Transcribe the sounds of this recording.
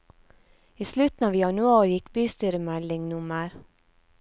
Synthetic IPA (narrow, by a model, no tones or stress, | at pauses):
iːslʉt̪n̩ɑːʋjɑnʉɑːɾjɪkbyːst̪yːɾəmɛlɪŋnʊməɾ